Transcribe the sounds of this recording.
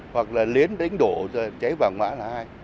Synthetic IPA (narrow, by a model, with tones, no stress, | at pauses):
hwa˨˩k̚laː˨˩li˨˦ənɗa˨˦jŋ̟ɗo̰˧˨˩t͡ɕa˨˦jvaː˨˩wŋwa̰ː˧˥laː˨˩haː˧j